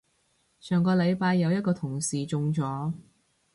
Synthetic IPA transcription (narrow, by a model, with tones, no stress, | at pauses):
sʰœː˨˩ŋkɔː˧lɐ˨˧jpaː˧jːɐ˨˧wjɐ˥t̚kɔː˧t̪ʰʊ˨˩ŋsiː˨t͡sʊ˧ŋt͡sɔː˨˥